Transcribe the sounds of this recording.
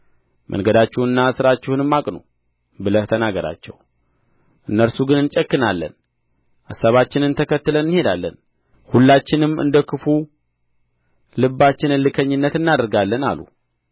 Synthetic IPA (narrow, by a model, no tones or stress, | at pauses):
mʔə̰ŋɡəd̪at͡ʃːɪhuɨnːasɨɾat͡ʃːɪhunɨmːakʼno̰ | bɨlət̪ʰənaɡəɾa̰t͡ʃːɛ̰w | ʔɨnːəɾsuɡɨnɨnt͡ʃʼəkːɨnalːə̰n | ʔasaβat͡ʃːɪnɨnt̪ʰəkʰət̪ːɨlənːhe̞d̪alːən | hulːat͡ʃːɪnɨmɨ̰nd̪əkʰɨfu | lɨbːat͡ʃːɪnɨnlɨkʰəɲːɪnːət̪ɨnːad̪əɾɡalːəna̰lṵ